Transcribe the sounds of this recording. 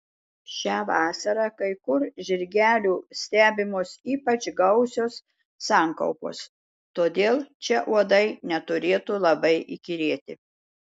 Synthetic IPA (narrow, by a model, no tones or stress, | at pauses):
ʃʲæːʋɑːsɐɾɑkɐɪkʊɾʒʲɪɾʲɡʲæːlʲuːsʲt̪ʲæːbʲɪmoːsiːpɐt͡ʃɡɐʊsʲoːsː | ɑːŋkɐ̰ʊpo̰ːs | t̪oːd̪ʲeːlˠt͡ʃʲɛʔuɔd̪ɐɪnʲɛt̪ʊɾʲeːt̪uːlˠɐbɐɪʔikʲiɾʲeːt̪ʲɪ